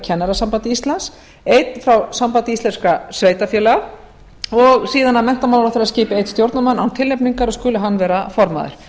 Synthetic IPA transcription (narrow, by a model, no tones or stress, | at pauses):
cʰɛnːaɾasampant̪ɪist̪lans | ejt̪n̥fɾawsampant̪ɪist̪ɛnskasveːjt̪afjɛːlɛɣa | ɔɣsiːðanamɛn̥t̪amawlafɪɾaðsciːpɪejt̪st̪jowɾt̪namanːa̰wnt̪ʰɪlːepniŋkaɾɔskʏːlʏɦanːvɛːɾafɔɾma̰ðɪ̰ɾ̥